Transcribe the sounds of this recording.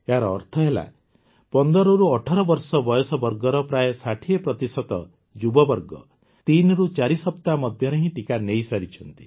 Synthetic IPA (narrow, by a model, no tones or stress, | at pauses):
eɦaɾɔ̰ːɾt̪ʰɔɦela̰ | pɔnd̪ɔɾɔɾuɔʈʰɔɾɔbɔɾsɔbɔjɔsɔbɔɾɡɔɾɔpɾajesaʈʰiepɾɔt̪isɔt̪ɔ | d͡ʒubɔbɔɾɡɔ̰ | t̪inɾut͡ʃaɾisɔpt̪amɔd̪ʱjɔɾeɦĩʈikanejsaɾit͡ʃʰɔnt̪i̥